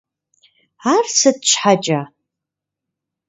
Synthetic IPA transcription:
arsɨd̚ʃʷħat͡ʃʼa

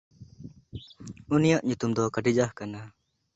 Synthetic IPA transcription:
unijaʔɲut̪umd̪ɔkaʈid͡ʒahkana

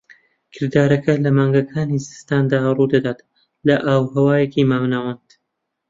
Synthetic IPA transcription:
kʰɪɾd̪aːɾɐkɐlɐmaːŋɡɐkʰaːnizɨ̥st̪aːnd̪aːruːd̪ɐd̪aːt̪ | lɐʔaːwhɐwaːjekimaːwnawand̪̥

